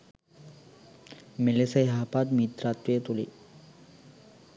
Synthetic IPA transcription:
melesajɦapad̪mit̪ɾat̪ʋiet̪olḭ

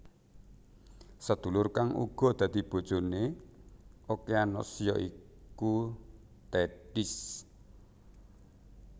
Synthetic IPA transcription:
səd̪̥ṳlʊrkaŋṵɡ̥ɔ̤d̪̥ä̤d̪̥ib̥o̤d̥ʒ̥o̤ne | okeanɔ̰sjɔʔi | ku | t̪ɛɖ̥is

